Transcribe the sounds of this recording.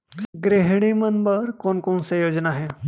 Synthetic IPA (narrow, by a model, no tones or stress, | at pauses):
ɡɾeɦɽ̃imənbəɾkonkoɳsejod͡ʑnaɦe